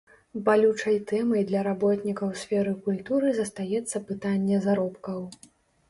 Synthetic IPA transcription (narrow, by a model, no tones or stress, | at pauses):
balʲut͡ʂɐjt̪ɛmɐjd̪lʲɐɾabɔt̪nʲikɐwsʲfʲɛɾɨkulʲt̪uɾɨzɐst̪ajɛt̪sːɐpɨt̪anʲːɛzaɾɔpkɐw